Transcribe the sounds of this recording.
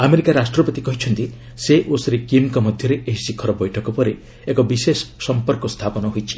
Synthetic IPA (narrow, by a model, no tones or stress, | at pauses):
ameɾikaɾasʈɾɔpɔt̪ikɔɦit͡ʃʰɔnt̪i | seʔosɾikimkɔmɔd̪ʱjɔɾeʔeɦisikʰːɔɾɔbɔjʈʰɔkɔpɔɾe | ekɔbisesɔ̥ːɔmpɔɾkɔst̪ʰapɔnɔɦojt͡ʃʰi̥